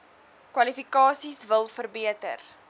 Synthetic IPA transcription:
kwɐlifikɑːsisvəlˠfərbiətə̰r

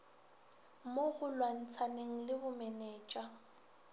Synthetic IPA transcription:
moɣʊlwan̩t͡sʰaneŋ̩lɪbʊmɛnɛːt͡ʃʼa

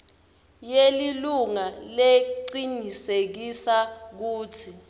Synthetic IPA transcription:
jeliluŋaleǃinisek̬isak̬uːtʰi

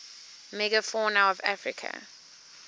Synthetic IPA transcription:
mɛɡəfɔnaʊɔva̰fɹɪkʰə̰

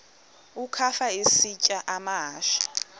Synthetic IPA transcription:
ukʰafaesit͡ʃʼaʔamaɦaːʃḁ

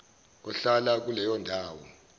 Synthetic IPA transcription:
ɔɬalak̬ulɛjɔndʱaːwɔ̰

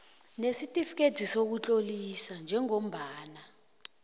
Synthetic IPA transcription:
nesitʼifik̬ʼedʱisok̬ut͡ɬʼolisand͡ʒʱɛŋom̩ɓaːna

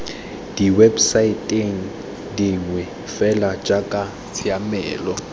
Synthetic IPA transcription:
d̥iwɛbsaitʼeŋ̩ | diŋwɛ | fɛlad͡ʒʼakʼa | t͡sʰiamɛːlɔ

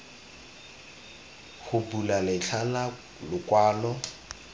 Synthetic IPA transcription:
hʊpulalɪɬʰala | lʊkwaːlɔ

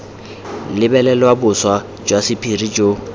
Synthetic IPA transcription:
lɪbɛlɛlwabʊswa | d͡ʒwasɪpʰirid͡ʒo

